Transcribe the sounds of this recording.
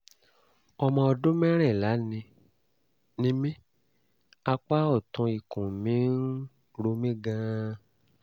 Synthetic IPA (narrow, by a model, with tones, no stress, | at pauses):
ɔ˧mɔ̃˧ɔ˧dõ˦mɛ̃˦ɾ̃ɛ̃˦˨la˨˦nĩ˧ | nĩ˦mĩ˦ | a˧k͡pa˦ɔ˦˨tũ˧i˨kũ˨mĩ˨˦n̩˦ | ɾo˧mĩ˦ɡã˦˧